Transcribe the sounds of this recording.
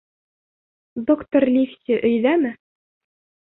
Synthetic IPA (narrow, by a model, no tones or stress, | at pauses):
d̪okt̪orlʲifsʲiʔɵ̆jðæmɘ